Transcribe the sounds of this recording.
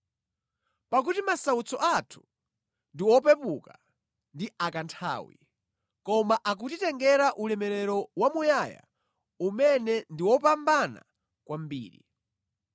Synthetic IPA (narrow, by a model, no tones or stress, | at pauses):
pak̬utimasaut͡sɔʔatʰu̥ | ndiwɔpɛpuka | ndiakantʰa̰ːwḭ | kɔmaʔak̬utitɛŋɡɛɾaʔulɛmɛɾɛɾɔwamujaja̰ | umɛnɛndiwɔpambana̰ | kwʔam̩bḭːɾḭ